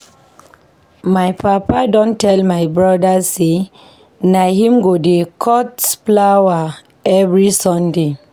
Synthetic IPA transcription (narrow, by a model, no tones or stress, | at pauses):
majpapadɔ̃ntɛlmajbɹɔdase | nahĩmɡodekʰɔtsplawa | ɛvɹisɔ̃nde